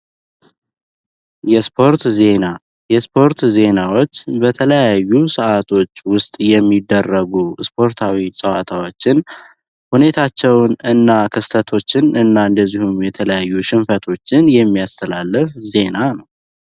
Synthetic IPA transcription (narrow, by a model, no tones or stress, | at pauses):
jɛspʰo̞ɾt̪ze̞na | jɛspʰo̞ɾt̪ze̞nawo̞t͡ʃːbət̪ʰələjajːusəʔat̪ʰo̞t͡ʃːwʊst̪ʼjɛmːid̪ːərːəɡuspʰo̞ɾt̪ʰawisʼəwat̪ʰawo̞t͡ʃːɪn | hune̞t̪ʰat͡ʃːɛwnɨnːakʰɨst̪ʰət̪ʰo̞t͡ʃːɪnɨnːaɨnd̪əzːihumjɛt̪ʰələjajːuʃɪmfət̪ʰo̞t͡ʃːɪnjɛmːijast̪ʰəlalːɨfze̞nanəww